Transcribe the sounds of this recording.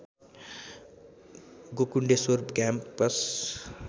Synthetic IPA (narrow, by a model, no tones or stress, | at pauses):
ɡokuɳɖesoɾbkamppʌs